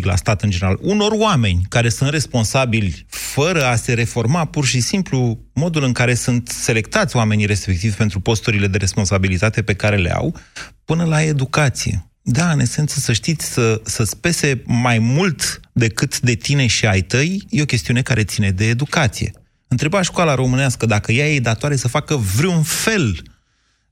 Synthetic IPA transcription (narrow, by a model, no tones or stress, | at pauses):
la̰st̪at̪ɨnd͡ʒeneɾaluno̞roame̞nʲkaɾe̞sunt̪re̞spo̞nsabilʲfəɾəase̞ɾe̞fo̞rmapurʃisimplu | mo̞d̪ulɨŋkaɾe̞sunt̪se̞le̞kt̪at̪sʲoame̞nijɾe̞spek̚t̪ivʲpent̪ɾupo̞st̪uɾile̞d̪e̞ɾe̞spo̞nsabilit̪at̪e̞pe̞kaɾe̞lḛa̰wpɨnəlae̞d̪ukat̪sije̞̰ | d̪aɨne̞se̞nt̪səsəʃt̪it̪sʲsəsəspe̞se̞majmult̪d̪e̞kɨt̪d̪e̞t̪ine̞ʃiajt̪əjje̞okʲe̞st̪iune̞kaɾe̞t̪sine̞d̪e̞ːd̪ukat̪sije̞̰ | ɨnt̪ɾe̞baʃkwalaɾo̞mɨneaskəd̪akəjajed̪at̪oaɾesəfakəvɾiunfe̞l